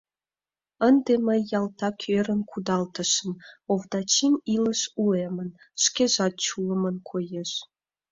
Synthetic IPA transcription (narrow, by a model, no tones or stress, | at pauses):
ənd̪eməjːɑlt̪ɑkʰøɾə̆nkʰud̪ɑlt̪ə̆ʃə̆novd̪ɑt͡ɕimilə̆ʃuemən | ʃkeʒɑt̪̚t͡ɕuləmənkʰojeʃ